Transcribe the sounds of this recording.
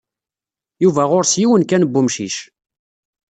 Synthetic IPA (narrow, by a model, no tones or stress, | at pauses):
juvæʁʊɾsjiwənkænəbːumʃiʃ